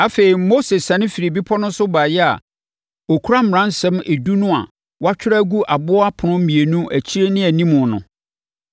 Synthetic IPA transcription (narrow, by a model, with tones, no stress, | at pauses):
a˦fe˨ɾi˨mo˦se˨sã˨nɪ̃˦fi˨ɾi˨bi˦pʰɔ˦nʊ̃˦sʊ˦baː˨jɛ˦a̰˨ | o˨kʰu˦ɾa˦m̩˨ɾã˦n˦sɛ̃˦me˨du˦nʊ̃˦a̰˨ | wa˦t͡ɕᶣɪ˦ɾa˦ɡu˦ʔa˨bʊ˦a˦pʰʊ˨nʊ̃˦m̩˦mĩ˨e˨nũ˦ʔæ˨t͡ɕʰi˦ɾe˦nɪ̃˦æ˨nĩ˦mʊ̃˨nʊ̃˨